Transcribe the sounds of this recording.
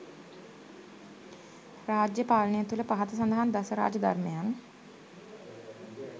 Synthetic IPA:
raːd͡ʒjəpaːlənejət̪uləpaɦat̪əs̬and̪əɦand̪asəɾa̰ːd͡ʒəd̪a̰rmejan

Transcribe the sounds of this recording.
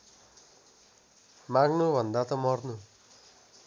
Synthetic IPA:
mãɡnubʱʌnd̪at̪ʌmʌrnu

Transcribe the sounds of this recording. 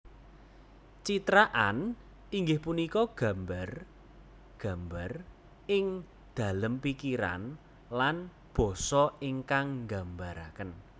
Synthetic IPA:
t͡ʃit̪ɾaʔan | iŋɡɪhpunikɔɡ̥a̤mbar | ɡ̥a̤mbar | ɪŋ | d̪̥a̤ləmpikiɾa̰n | lan | b̥ɔ̤sɔiŋkaŋŋɡambaɾakən

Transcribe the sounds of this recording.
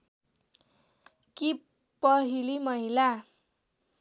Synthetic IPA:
ki | pʌɦilimʌɦila

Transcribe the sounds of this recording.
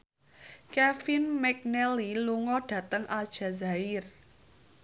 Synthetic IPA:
kɛfinmɛk̚nɛliluŋɔɖ̥ä̤t̪əŋʔad̥ʒ̥ä̤zaɪr

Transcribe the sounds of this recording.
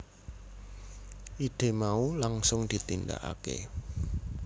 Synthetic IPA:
ʔid̪̥e̤maulaŋsʊŋd̪̥i̤t̪inda̰ʔa̰kḛ

